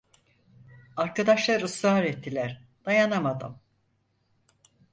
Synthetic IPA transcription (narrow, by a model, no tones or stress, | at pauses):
aɾkad̪aʃlˠaɾɯsaːɾɛt̪ʰːilʲæɾ̥d̪̥ajanamad̪ɯ̰m